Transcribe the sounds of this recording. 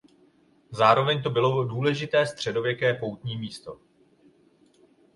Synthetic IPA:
zaːɾo̞vɛɲt̪o̞bɪlo̞duːlɛʒɪt̪ɛːst̪r̥ɛdo̞vjɛkɛːpo̞wt̪ɲiːmiːst̪o̞̰

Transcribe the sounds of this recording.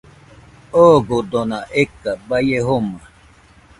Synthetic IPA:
oɡod̪onãʔekabajeɦoma

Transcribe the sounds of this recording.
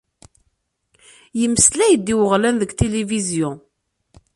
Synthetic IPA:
jəmːəslæjəd̪ːiwəʁlænðəɡt̪elivizjʊ̃

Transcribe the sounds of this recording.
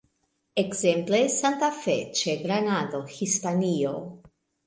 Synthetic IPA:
ekze̞mplesant̪afet͡ʃeɡɾanado̞hispanio

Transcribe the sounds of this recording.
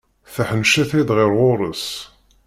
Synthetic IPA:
θəħənʃæθid̪ʁɪɾʁoɾˤəs

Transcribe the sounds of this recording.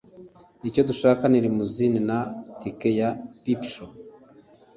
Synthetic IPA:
ico̞tuʃaːkaniɾimuzininatikejapipʃo

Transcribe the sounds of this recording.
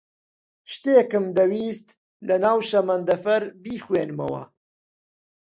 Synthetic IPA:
ʃt̪eːkɨmd̪ɐwiːst̪ | lɐnaːwʃɐmɐnd̪ɐfɐɾbiːxweːnmɐ̰wɐ̰

